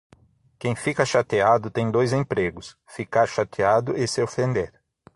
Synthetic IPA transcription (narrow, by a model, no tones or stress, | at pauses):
kẽj̃fikɐʃat̪iad̪ʊt̪ẽj̃d̪ojzẽpɾeɡʊs | fikaɾʃat̪iad̪ʊʔɪsɪofẽnd̪eɾ